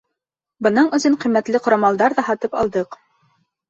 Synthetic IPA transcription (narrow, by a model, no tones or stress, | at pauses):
bɤ̆nɤɴɵ̆zɘɴqĭmːæt̪lɘqŏɾɑmɑlˠd̪ɑɾðɑhɑt̪ɤpɑ̰lˠd̪ɤq